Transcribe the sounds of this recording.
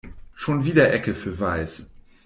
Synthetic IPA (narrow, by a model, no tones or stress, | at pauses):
ʃoːnviːdɐʔɛkəfyːɐvaɪs